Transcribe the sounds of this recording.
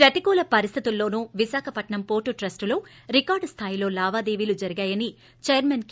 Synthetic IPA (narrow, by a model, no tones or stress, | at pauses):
eʈikoːlɐpɐɾist̪ʰit̪ulːo̞ːnuːʋisaːkʰɐpɐʈɳɐmpoːʈuʈɾɐsʈlo̞ː | ɾikaːɾɖst̪ʰaːjilo̞ːlaːʋaːd̪eːʋilud͡ʒɐɾiɡaːjɐni | t͡ʃejɐɾmenk